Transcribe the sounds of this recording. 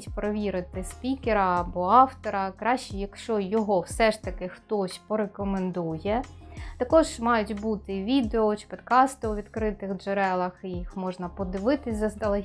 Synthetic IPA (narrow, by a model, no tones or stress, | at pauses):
tʲpɾɔʋʲiɾɪt̪ɪspʲikʲeɾɐːbɔɑwt̪ɔɾɐkɾɑʃt͡ʃijɐkʃt͡ʃɔjɔɦɔwsɛʃt̪ɐkɪxt̪ɔsʲpɔɾekɔmend̪ujɛt̪ɐkɔʒmɑjʊtʲbut̪ɪʋʲid̪eɔt͡ʃɪ̥pɔd̪kɑst̪ʊɔʋʲid̪kɾɪt̪ɪxd͡ʒeɾɛlˠɐxijixmɔʒnɐpɔd̪ɪʋɪt̪ɪsʲzɐsd̪ɐlˠɐ